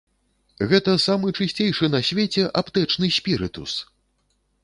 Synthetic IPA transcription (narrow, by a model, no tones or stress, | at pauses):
ɣɛt̪ɐsamɨt͡ʂɨsʲt͡sʲejʂɨnɐsʲvʲet͡sʲɛʔapt̪ɛt͡ʂnɨsʲpʲiɾɨt̪ṵs